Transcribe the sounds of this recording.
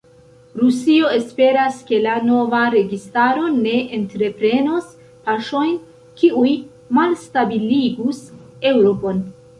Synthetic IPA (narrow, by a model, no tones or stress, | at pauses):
ɾusio̞e̞spe̞ɾaske̞lano̞vaɾe̞ɡistaɾo̞ne̞ʔentɾe̞pɾe̞nos | paʃo̞jn | kiuj | malstabiliɡus | e̞wɾo̞po̞n